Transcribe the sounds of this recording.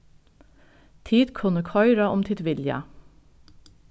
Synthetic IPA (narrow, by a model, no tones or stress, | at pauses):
t̪ʰiːd̪kʰʉnəkʰɔʏɾɑʔɔmt̪ʰɪd̪ʋɪljɑ̰